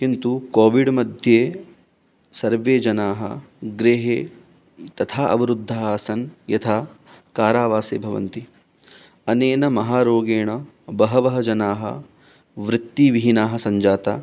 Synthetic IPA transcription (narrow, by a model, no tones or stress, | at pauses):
kint̪ukoːʋiɖmɐd̪ʱjeː | sɐɾʋeːd͡ʒɐnaːɦɐ̰ɡɾeːɦeː | t̪ɐt̪ʰaːʔɐ̰ʋɐɾud̪ʱːɐaːsɐnjɐt̪ʰaːkaːɾaːʋaːsḛːbʱɐʋɐ̰nt̪i | ɐneːnɐmɐɦaːɾoːɡeːɳɐ | bɐɦɐʋɐɦɐd͡ʒɐnaːɦɐ̰ | ʋɾɪt̪ːiʋiɦinaːɦɐsɐɲd͡ʒaːt̪a̰ː